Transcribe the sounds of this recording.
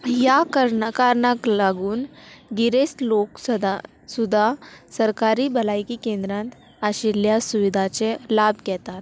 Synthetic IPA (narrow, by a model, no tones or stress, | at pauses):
jakɾkaɾɳaklaɡuːnɡiɾesloksd̪a | sud̪ʱasəɾkaɾibɐlajkikẽːnd̪ɾãnt̪ | aɕiljasuʋid̪ʱat͡ɕelaːbkɛt̪at̪